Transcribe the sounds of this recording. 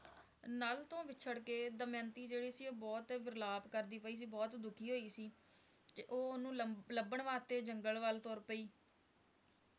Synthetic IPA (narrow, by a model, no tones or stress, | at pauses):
nalt̪õːʋɪtːt͡ʃʰəɽkeːd̪əmjə̃ːnt̪iːd͡ʒeːɽiːsiːoːbɔːt̪ʋɪɾlaːbkəɾd̪iːpəiːs̬iːbɔːt̪d̪ʊkʰiːɦoːiːsiː | keʔoːʊnũːləbəɳʋaːt̪eːd͡ʒəŋɡəlʋəlt̪oːɾpəiː